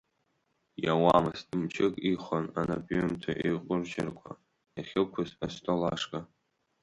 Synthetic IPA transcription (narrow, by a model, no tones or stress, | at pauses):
jawamɨstʼɨmt͡ʃʰɪkʼiχʷananapʼomtʰa̰ʔeqʷʼʊrʒɪ̰rkʷʰʼa̰ | jaχʲɪlkʷʰʊzastʰʼolaʂkʼa